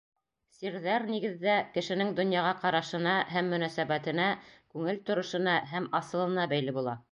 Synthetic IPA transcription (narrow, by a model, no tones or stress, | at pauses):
siɾðæɾniɡɘ̆ðːækɘ̆ʃɘ̆nɘŋd̪ŏnjɑʁɑqɑɾɑʃɤ̆nɑɦæmːɵ̆næsæbæt̪ɘ̆nækʉŋɘlt̪ŏɾŏʃɤ̆nɑɦæmɑsɤ̆lˠɤ̆nɑbæjlɘbulˠɑ